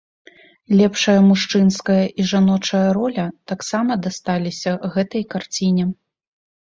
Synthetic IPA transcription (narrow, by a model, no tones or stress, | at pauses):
lʲɛpʂɐjɐmuʂt͡ʂɨnskɐjɐʔiʐanɔt͡ʂɐjɐɾɔlʲɐt̪aksamɐd̪ast̪alʲisʲɐɣɛt̪ɐjkart͡sʲinʲɛ